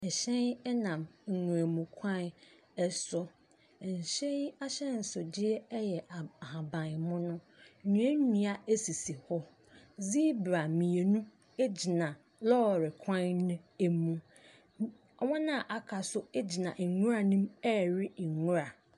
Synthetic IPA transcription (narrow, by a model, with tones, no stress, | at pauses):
ɛ˨ɕɛ̃˦nɛ˦nã˨mŋ̩˨ŋũ˨ɾæ˨mũ˨kʰã˦n | ɛ˦sʊ˦˨ | n̩˨ɕɛ˦i˦a˦ɕɛ̃˦n̩˨sʊ˨dɪ˦ɛ˦jɛ˨a˨hã˨bã˨mʊ̃˦nʊ̃˦˨ | ɲũ˨˦e˦nĩ˨a˦e˦si˨si˨hɔ˦ | zi˦bɾa˨mĩ˨e˨nũ˦ | e˦d͡ʑi˨nã˨ | lɔ˦˨ɾɪ˨kʷʰã˦nʊ̃˦e˦mũ˦ | ɔ˨wɔ̃˦nã˦˨ʔa˨kʰa˨sʊ˦e˦d͡ʑi˨nã˨ʔŋũ˦ɾa˨nĩ˦mɛ˦˨ɾɪ˦˨ŋũ˦ɾa˨